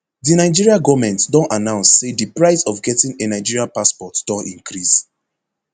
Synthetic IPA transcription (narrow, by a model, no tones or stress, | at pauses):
dinaɪd͡ʒiɹiaɡɔvmɛ̃ntdɔ̃nanãʊ̃nsːedipɹaɪsɔfɡɛtĩŋenaɪd͡ʒiɹiapaspɔtd̥ɔ̃ntḭ̃ŋkɹis